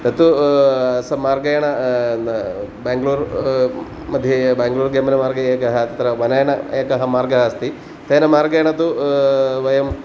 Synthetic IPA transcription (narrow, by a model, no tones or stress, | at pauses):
t̪ɐt̪uɐsɐmaːɾɡɐjɐɳɐ | baːŋɡluːɾ | mɐd̪ʱjɐbaːŋɡluːɾɡɐmɐnɐmaːɾɡɐeːkɐɦɐt̪ɐt̪ɾɐʋɐnɐjɐɳɐeːkɐɦɐmaːɾɡɐɦɐst̪i | t̪eːnɐmaːɾɡɐjɐɳɐt̪u | ʋɐjɐm